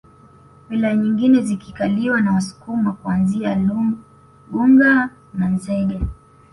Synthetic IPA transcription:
wilajaɲiŋɡinɛzikikaliwanawasu̥kumakuanzia | ɡuŋɡa | nanzɛɗa

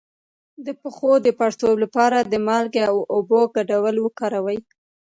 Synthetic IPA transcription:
d̪əpəxod̪əpaɽsowlapɑɾad̪əmɑlɡeawoboɡaɖawəlwəkɑɾawəj

